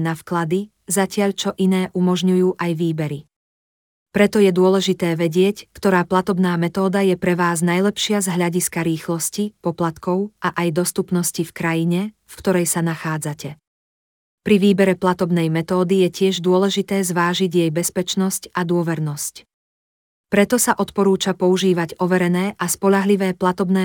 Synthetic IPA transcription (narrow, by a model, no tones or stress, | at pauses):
nafklad̪i | zacɪaʎt͡ʃɔʔinɛːʔumɔʒɲujuːʔajʋiːbɛɾi | pɾɛt̪ɔjɛd̪ʊɔlɛʒit̪ɛːʋɛɟɪɛckt̪ɔɾaːplat̪ɔbnaːmɛt̪ɔːd̪ajɛpɾɛʋaːznajlɛpʃɪazɦlaɟiskaɾiːxlɔscipɔplat̪kɔʊʔaʔajd̪ɔst̪upnɔscifkɾajiɲɛ | fkt̪ɔɾɛjsanaxaːd͡zacɛ | pɾiʋiːbɛɾɛplat̪ɔbnɛjmɛt̪ɔːd̪ijɛcɪɛʒd̪ʊɔlɛʒit̪ɛːzʋaːʒiɟjɛjbɛspɛt͡ʃnɔscad̪ʊɔʋɛɾnɔsc | pɾɛt̪ɔsaʔɔt̪pɔɾuːt͡ʃapɔuʒiːʋaɟɔʋɛɾɛnɛːʔaspɔʎaɦliʋɛːplat̪ɔbnɛː